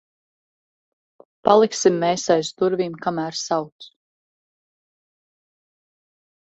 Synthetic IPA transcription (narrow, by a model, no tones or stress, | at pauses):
palˠiksimːeːsajsd̪uɾviːmkamæːɾsawt̪s